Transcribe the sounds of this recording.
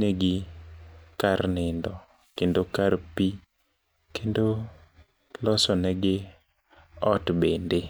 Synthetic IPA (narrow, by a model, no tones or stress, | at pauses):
neɡɪ | karnɪndɔ | kendokaɾpi | kendo | lɔsɔnɛɡɪ | ɔtbende